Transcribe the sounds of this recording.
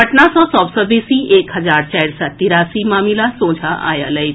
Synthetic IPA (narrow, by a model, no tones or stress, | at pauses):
əʈɳasɔsɔbsəɾbisiʔekɦəd͡zaɾt͡ɕajɽsat̪iɾasimamilasõːd͡zʱaʔa̰ja̰ləj